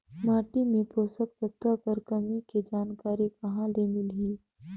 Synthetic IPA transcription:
maːʈimẽpɾoːsəkpət̪akəɾkɐmiked͡ʒaːnkaːɾikɐɦãleːmɪlɦiː

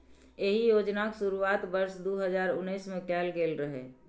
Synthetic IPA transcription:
eɦijod͡ʒnaksuɾuat̪bəɾsd̪uɦəd͡ʒaːɾʊnːəsmekɛlkelɾəɦɛ̰

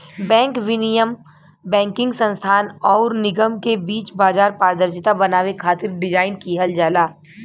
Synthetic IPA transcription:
bɛ̃ːŋkʋɪnijəm | bɛ̃ːŋkɪ̃ŋɡsɐ̃nst̪ʰaːnɔːɾnɪɡəmkebiːt͡ʃbaːd͡ʒaːɾpaːɾd̪əɾʃɪt̪abɐnaːʋekʰaːt̪ɪɾɖɪd͡ʒaːɪnkiɦɐld͡ʒaːlaː

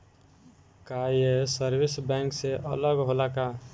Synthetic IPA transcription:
kajesəɾbisbɛŋkseʔə̰ləɡɦolaka

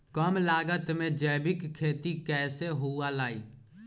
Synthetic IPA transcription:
kəmlaːɡət̪mẽd͡ʒɛːbɪkkʰːeːt̪ikɛːseɦoalaːḭː

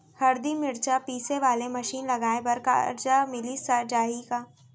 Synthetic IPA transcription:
hɐɾd̪imɪɽt͡ʃapiːseʋaːlemɐʃiːnlɐɡaːẽbɐɾka̰ɐ̰ɾd͡ʒamɪlisad͡ʒaːɦikaː

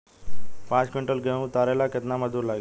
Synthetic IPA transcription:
pãt͡skeɳʈəlɡʱeũt̪aɾelakjət̪naməd̪ʱuːɾlaɡi

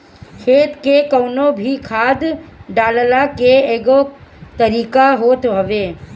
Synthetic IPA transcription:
kʰeːt̪kekɐːnõbʱikʰaːd̪ɖaːləlakeeːɡot̪əɾiːkaɦoːt̪ɦɐʋeː

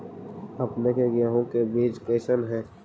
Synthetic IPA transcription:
ɐpnekeɡjaːɦõkebiːd͡ʒpeːʃənɦɛ̃ː

